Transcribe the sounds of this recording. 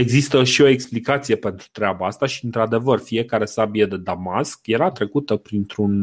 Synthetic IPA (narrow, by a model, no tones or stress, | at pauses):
e̞ɡzist̪əʃio̞e̞ksplikat̪sijepe̞nt̪ɾu̥t̪ɾeabaast̪aʃiɨnt̪ɾad̪e̞vərfie̞kaɾe̞sabijəd̪e̞d̪amaskje̞ɾat̪ɾe̞kut̪əpɾint̪ɾun